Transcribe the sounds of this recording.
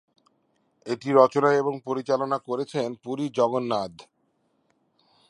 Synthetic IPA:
eʈiɾɔt͡ɕonaeboŋpoɾit͡ɕalonakoɾet͡ɕʰenpuɾid͡ʑɔɡonːad̪ʱ

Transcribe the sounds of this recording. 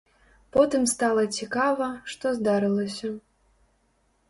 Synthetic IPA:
pɔt̪ɨmst̪alˠɐt͡sʲikavɐʂt̪ɔzd̪aɾɨlˠɐsʲɐ

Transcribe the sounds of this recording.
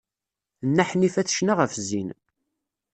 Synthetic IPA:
nːaħnifæθʃnaʁəfzin

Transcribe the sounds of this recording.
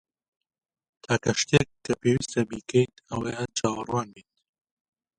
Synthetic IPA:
t̪ʰaːkɐʃt̪ekːɐpʰeːwist̪ɐbiːkʰɛjnɐweːɐt͡ʃʰaːwɐrwaːnbeːt̪

